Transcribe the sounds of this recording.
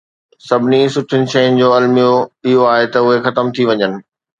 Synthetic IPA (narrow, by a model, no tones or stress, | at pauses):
sɐbʱɪnisʊʈʰɪnɪ̆ʃɐjʊnɪ̆d͡ʑoːɐlmijoɪɦoaːɦet̪ɐʊɦexɐt̪əmt̪ʰiʋɐɲənɪ̆